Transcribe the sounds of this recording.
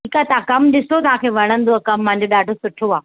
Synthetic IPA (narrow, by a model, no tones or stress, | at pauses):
iːkat̪ɐãkɐmɗɪsot̪ɐʋ̤ãːkʰeːʋɐɽ̃ə̃nd̪oɐkɐmːãɦɪ̃ɲd͡ʑoɓaːɖʱosʊʈʰoaː